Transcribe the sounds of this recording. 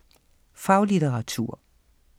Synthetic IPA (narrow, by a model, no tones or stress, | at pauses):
fɑ̈ʊlideʁɑ̈t͡sʰṵɐ̰